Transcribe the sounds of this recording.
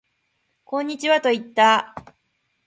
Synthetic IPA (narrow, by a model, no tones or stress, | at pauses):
kõ̞ɲ̟ːit͡ɕiβat̪o̞it̪ːa